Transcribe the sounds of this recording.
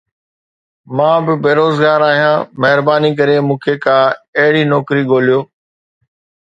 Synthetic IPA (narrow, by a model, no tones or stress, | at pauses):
mãːbɪbeːɾoːzɡaːɾaːɦijãːmɐɦɪɾbaːnik̬ɐɾemũːkʰekʰãːɐɦɪɽiːnɔːkɾiɠoːlijoː